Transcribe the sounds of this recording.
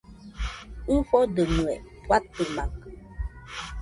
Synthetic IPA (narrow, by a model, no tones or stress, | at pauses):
ŋ̩fɔdəmuɛpwat̪əmãk